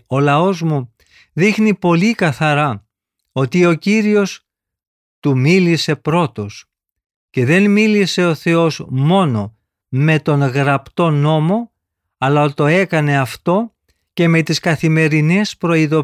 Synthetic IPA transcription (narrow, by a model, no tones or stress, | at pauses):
o̞lɐo̞zmu | ðixnipo̞likɐθɐɾɐ | o̞t̪io̞ciɾio̞s | t̪umilise̞pɾo̞t̪o̞s | ce̞ðe̞nmilise̞o̞θe̞o̞zmo̞no̞ | me̞t̪o̞ŋɣɾɐpt̪o̞no̞mo̞ | ɐlɐot̪o̞e̞kɐne̞ɐft̪o̞ | ce̞me̞t̪iskɐθime̞ɾinespɾo̞iðo̞